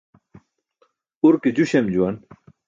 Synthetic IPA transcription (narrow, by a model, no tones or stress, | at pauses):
uɾkid͡ʑuɕemd͡ʑuwɐn